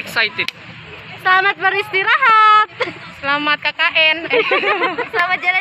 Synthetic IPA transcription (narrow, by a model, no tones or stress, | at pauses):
ɛksajt̪id̪̚ | səlamat̪̚baɾist̪iɾaɦat̪̚səlamat̪̚kakaʔɛn | samad͡ʒaɾa